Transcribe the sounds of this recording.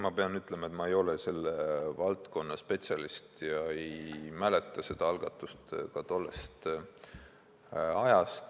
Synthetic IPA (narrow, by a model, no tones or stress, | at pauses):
mɑpe̞ɑnyt̪ːˑlemɑet̪mɑe̞jo̞lese̞lːevɑlt̪ko̞nːɑspe̞t̪sʲɑlist̪jɑe̞jjmæle̞t̪ˑːɑse̞d̪̥ɑɑlɡ̥ɑt̪ːˑust̪kɑt̪o̞lːe̞st̪ | ɑjɑst̪